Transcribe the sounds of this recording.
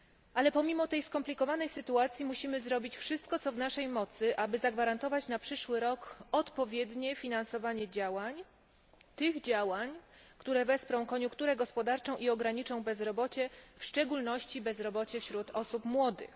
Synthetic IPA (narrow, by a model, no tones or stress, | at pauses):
ʔalɛpɔmʲimɔt̪ɛjskɔmplʲikɔvanɛjsɘt̪uat̪sʲjimuɕimɘzɾɔbʲit͡ɕfʂɘst̪̚kɔt̪sɔvnaʂɛjmɔt̪sɘʔabɘzaɡvaɾant̪ɔvat͡ɕnapʂɘʂwɘɾɔkɔt̪pɔvʲjɛd̪ɲɛfʲinansɔvaɲɛd͡ʑawaɲ | t̪ɘɣd͡ʑawaɲkt̪uɾɛvɛspɾɔ̃w̃kɔɲũŋkt̪uɾɛɡɔspɔd̪aɾt͡ʂɔ̃w̃ʔiɔɡɾaɲit͡ʂɔ̃w̃bɛzɾɔbɔt͡ɕɛfʂt͡ʂɛɡulnɔɕt͡ɕibɛzɾɔbɔt͡ɕɛfɕɾut̪ɔsupmwɔd̪ɘ̰x